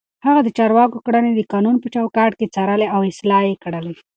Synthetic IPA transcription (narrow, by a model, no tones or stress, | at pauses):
haɣad̪ət͡ʃɑɾwɑkokɽəned̪əkɑnunpət͡ʃawkɑʈket͡saɾəleawɪslɑjekɽəle